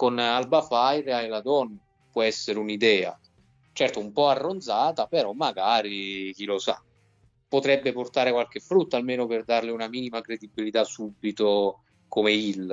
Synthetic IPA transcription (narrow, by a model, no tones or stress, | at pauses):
konalbafajɾaelad̪ɔn | pwɔɛsːeɾeunid̪ɛːa̰ | t͡ʃɛrt̪oumpɔarːond̪zaːt̪apeɾɔmːaɡaːɾik̟ilosa̰ | pːot̪ɾɛbːeport̪aːɾekwalk̟efːɾut̪ːaːlmeːnoperd̪arleunamiːnimakɾed̪ibːilit̪asubːit̪o | komeilː